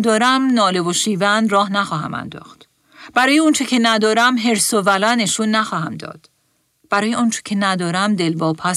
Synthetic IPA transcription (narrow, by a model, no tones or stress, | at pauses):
d̪ɒːɾæmnɒːle̞voʃiːvænd̪rɒːhnæxɒːɦæ̰mæ̰nd̪ɒ̰ːxt̪ | b̥æɾɒːjeɔnt͡ʃʰe̞cʰe̞næd̪ɒːɾæmɦe̞ɾsovælæneʃunːæxɒːhæmd̪ɒ̰ːd̪̥ | b̥æɾɒːje̞ɒːnt͡ʃʰe̥cʲʰe̞næd̪ɒːɾæmd̪e̞lbɒːpʰæ